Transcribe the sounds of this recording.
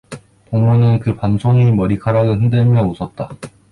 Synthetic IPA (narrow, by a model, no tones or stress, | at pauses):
poŋmunɯnkɯpansʰoŋimʌɾikʰaɾaɡɯɦɯndɯɭmjʌnusʰʌt̚t͈a